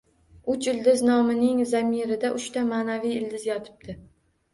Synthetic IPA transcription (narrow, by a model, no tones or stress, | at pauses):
ʊt͡ʃɪld̪ɪznɒmɪnɪŋzamiɾɪd̪aʔʊʃt̪amaːnavijɪld̪ɪzjɒt̪ʰɪ̥b̚d̪ʰɪ